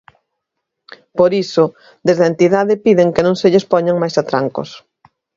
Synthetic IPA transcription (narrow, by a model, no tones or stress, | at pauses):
poɾisʊ | d̪ezðaent̪iðaðɪpiðeŋkenõŋseʎespɔɲaŋmajsat̪ɾaŋko̰s